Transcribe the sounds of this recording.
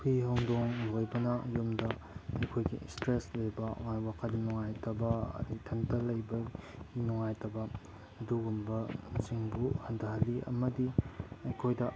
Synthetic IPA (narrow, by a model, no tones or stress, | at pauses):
pʰiɦɐwŋdoŋlojbɐnɐjomdɐ | ɐjkʰojɡḭstɾeslejbɐ̰ŋajwakʰɐtnuŋajtɐbɐɐ̰ɾitʰɐntɐlɐjbɐɡinuŋajtɐbɐː | duɡumbɐsiŋbuhɐndɐɦɐlːiɐ̰mɐdiɐjkʰojdɐ